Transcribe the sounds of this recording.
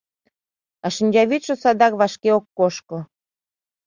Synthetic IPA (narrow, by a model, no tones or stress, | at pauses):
ɑʃə̆nʲd͡ʑɑβit̪ʃosɑd̪ɑkβɑʃkeokːoʃko